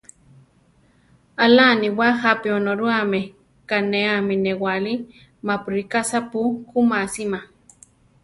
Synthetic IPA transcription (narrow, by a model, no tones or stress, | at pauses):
alaniwahapionoɾuame | kaneaminewali | mapuɾikasapukumasima